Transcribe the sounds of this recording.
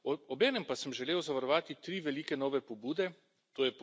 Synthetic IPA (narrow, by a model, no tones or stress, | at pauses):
ɔbɛːnɛmpasəmʒɛleːwzaʋaɾɔʋaːt̪it̪ɾiːʋɛliːkɛnɔːʋɛpɔbuːd̪ɛ | t̪oːjɛp